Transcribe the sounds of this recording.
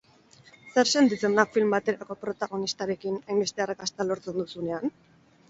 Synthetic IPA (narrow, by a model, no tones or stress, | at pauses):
seɾse̞nt̪it͡se̞nd̪afilmbat̪e̞ɾako̞pɾo̞t̪aɣ̞o̞nist̪aɾe̞kinajmbe̞st̪e̞arakast̪alo̞ɾt͡se̞nd̪usune̞an